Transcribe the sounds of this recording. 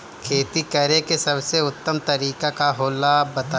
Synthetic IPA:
kʰeːt̪ikɐɾekesɐbseʊt̪ːəmt̪ɐɾiːkakaɦoːlabɐt̪a

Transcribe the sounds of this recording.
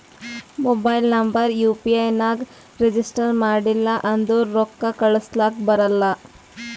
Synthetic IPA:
mobajilnɐmbəɾjupiajnaɡ | ɾed͡ʒisʈəɾmaɽilːaʔɐnd̪oɾokːakəɭəslakbɐɾəlːa

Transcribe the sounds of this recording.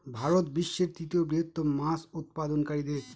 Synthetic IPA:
bʱaɾot̪biʃːeɾt̪ɾit̪iobɾiɦot̪ːommasut̪̚pad̪onkaɾid̪eɾ

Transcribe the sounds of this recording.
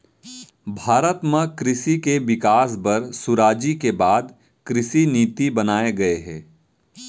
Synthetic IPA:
bʱaːɾət̪mãkɾɪʃikeʋɪkaːsbɐɾsʊɾaːd͡ʒikebaːd̪ | kɾɪʃiniːt̪ibɐnaːeɡɐeɦɛ̃ː

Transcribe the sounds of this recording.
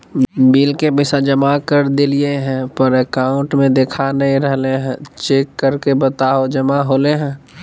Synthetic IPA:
biːlkebɪsad͡ʒəmakəɾd̪ɪlieɦɛ̃pəɾekaːʊ̃ɳʈmẽd̪eːkʰanəɦĩɾəɦleɦɛ̃t͡ʃeːkːəɾkebət̪aɦod͡ʒəmaɦoːleɦɛ̃

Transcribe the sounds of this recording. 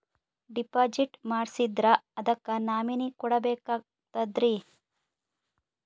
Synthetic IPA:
ɖipaːd͡ʒiʈmaːɽsid̪ɾɐɐd̪ɐkːɐnaːminikɔɽɐbɛːkaː | t̪ɐd̪ɾi

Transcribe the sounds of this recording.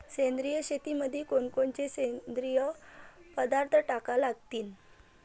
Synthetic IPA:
sẽnd̪ɾijəɕet̪iməd̪ʱːjekoɳkoɳt͡sesend̪ɾijəpəd̪aɾt̪ʰəʈakalaɡt̪iːn

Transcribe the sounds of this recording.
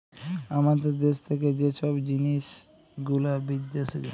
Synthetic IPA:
amad̪eɾd̪eʃt̪ʰeked͡ʑeʃɔbd͡ʑiniʃ | ɡulabid̪ːeʃee

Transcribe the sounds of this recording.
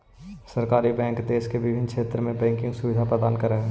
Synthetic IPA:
sɐɾkaːɾibɛ̃ːŋkd̪eːskeʋɪbʱɪnkʰʃʰeːt̪ɾəmẽbɛ̃ːŋkɪ̃ŋɡsʊʋɪd̪ʱapɾəd̪aːnkəɾəɦɛː

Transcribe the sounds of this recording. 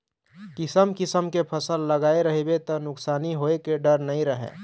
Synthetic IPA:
kɪsəmkɪsəmkepʰəsəlːəɡaːeɾəɦebet̪ɔnʊksaːniɦoekeɖəɾnɐɦĩɾəɦḛː

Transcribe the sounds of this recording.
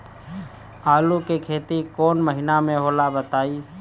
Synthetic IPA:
aːlukekʰeːt̪ikoːnməɦɪnamẽɦoːlabət̪aːi

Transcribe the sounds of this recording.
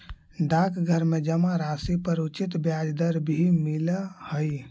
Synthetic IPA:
ɖakɡʱəɾmed͡ʒəmaɾasipəɾut͡ʃit̪bjad͡ʒd̪əɾbʱimiləhəj

